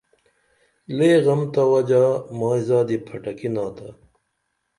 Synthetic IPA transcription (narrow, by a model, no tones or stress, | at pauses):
leːɣɐmt̪ɐwɐd͡ʑaːmaːizaːd̪ipʰɐʈɐkinaːt̪ɐ